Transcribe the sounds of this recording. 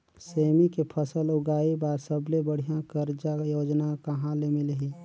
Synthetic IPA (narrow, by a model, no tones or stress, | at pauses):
seːmikepʰəsəlʊɡaːibaːɾsəblebəɽ̤ijãkəɾd͡ʒajoːd͡ʒnakəɦãlemilɦi